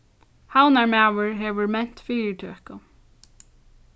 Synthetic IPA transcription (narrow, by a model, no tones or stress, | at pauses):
hawnaɹmæːʋəɹɦeːʋəɹmɛn̥t̪fiːɾɪɹt̪ʰøɛhkʊ